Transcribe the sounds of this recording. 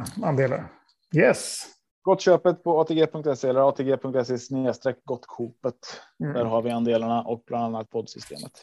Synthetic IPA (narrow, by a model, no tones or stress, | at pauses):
and̪eːla̰ɾ | jɛs | ɡ̥ɔt̪ːɕøːpət̪pʰɔɑːt̪ʰeːɡeːpʰɵŋk̚t̪ɛsːeɛləɾɑːt̪ʰeːɡeːpʰɵŋkt̪ɛs̬ːɛsneːst̪ɾɛːk̚ɡɔt̪ːkʰuːpət̪d̪æːɾɦaɾvɪand̪eːlaɳaʔɔk̚blananːat̪̚pʰɔd̪sʏst̪ḛːmə̰t̪